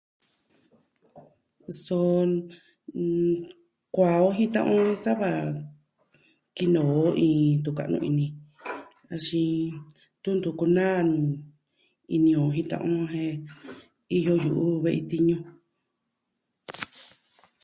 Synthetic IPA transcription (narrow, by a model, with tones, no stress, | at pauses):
so˧ | kʷa˨o˦ɦĩ˦t̪ã̰˧ʔõ˦ẽ˦sa˦βa˧˨ | ki˧nõ˨o˦ʔĩː˧˨t̪u˧˨ka˧˨ʔnṵ̃˧ʔi˧nĩ˨ | a˧ʃĩ˧ | t̪u˦nd̪u˧˨ku˧nãː˦˨ñ˨ | i˧nĩ˧õ˨ɦĩ˧t̪ã̰˧ʔõ˦ɦẽ˧ | i˦jo˧ju˨ʔu˦βe˦ʔi˧t̪i˧ɲũ˧